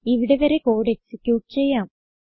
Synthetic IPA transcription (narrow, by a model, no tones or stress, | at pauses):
iʋiɽeʋɐɾe̞ko̞ːɽeksikʲjuːʈːɨt͡ɕe̞jːaːm